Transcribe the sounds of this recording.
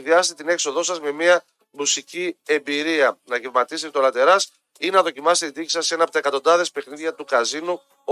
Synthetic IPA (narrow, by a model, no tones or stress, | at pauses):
ðiɐst̪et̪ine̞kso̞ðo̞sɐzme̞miɐ | musicie̞mbiɾiɐnɐʝevmɐt̪iset̪eolɐt̪e̞ɾɐs | inɐðo̞cimɐse̥t̪et̪id̪icisɐsːe̞nɐpot̪ɐekɐt̪o̞nd̪ɐðe̞spe̞xniðʝɐt̪ukɐzinu